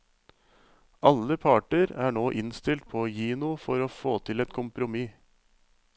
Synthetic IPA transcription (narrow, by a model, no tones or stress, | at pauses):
ʔɑləpʰɑːʈəɾæːɳoːʔɪnst̪ɪlt̪̚pʰoːjiːnʊfɔɾoːfoːt̪ʰɪlɛt̪kʰʊmpɾʊmiː